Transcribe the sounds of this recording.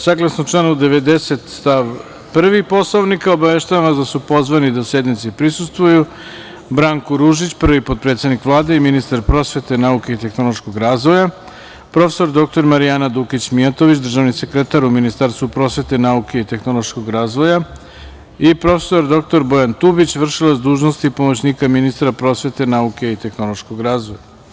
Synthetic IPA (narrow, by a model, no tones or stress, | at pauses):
saɡlˠasnot͡ʃlˠanuud̪e̞ʋe̞d̪e̞set̪st̪aʋ | pr̩ʋipo̞sloʋnikaobaʋeʃt̪aʋanasd̪asupo̞zʋanid̪asje̞d̪nit̪sipɾisust̪ʋuju | bɾaŋkoɾuʒit͡ɕpr̩ʋipo̞t̪̚pɾe̞t̪sed̪nikʋlˠaːd̪e̞iminist̪aɾpɾo̞sʋe̞t̪e̞nauke̞it̪e̞xno̞lˠo̞ʃkoɡɾaːzʋo̞ja | pɾo̞fe̥so̞ɾd̪o̞k̚t̪o̞ɾmaɾijanad̪ukit͡ɕmijat̪o̞ʋit͡ɕd̪r̩ʒaʋnise̞kɾet̪aɾuminist̪aɾst̪ʋupɾo̞sʋe̞t̪e̞nauke̞it̪e̞xno̞lˠoʃko̞ɡɾaːzʋo̞ja | ipɾo̞fe̥so̞ɾd̪o̞k̚t̪o̞ɾbo̞jant̪ubit͡ɕʋr̩ʃilazd̪uːʒnost̪ipo̞mot͡ɕniːkaminist̪ɾapɾo̞sʋe̞t̪e̞nauke̞it̪e̞xno̞lˠo̞ʃko̞ɡɾaːzʋo̞ja